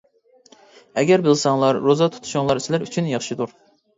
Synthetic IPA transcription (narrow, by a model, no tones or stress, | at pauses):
ɛɡʲɛɾbɪlsɑŋlˠɑɾːozɑt̪ʰu̥t̪ʰu̥ʃuŋlˠɑɾsɪlæɾyt͡ʃʰynjɑχʃɨd̪uɾ